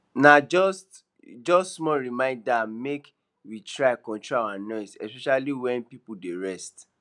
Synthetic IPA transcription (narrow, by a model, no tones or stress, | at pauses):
nad͡ʒɔst | d͡ʒɔstsmɔɹimãɪ̃ndamek | witɹaɪkɔ̃ntɹaawanɔɪsɛspɛʃaliwɛ̃npipudeɹɛst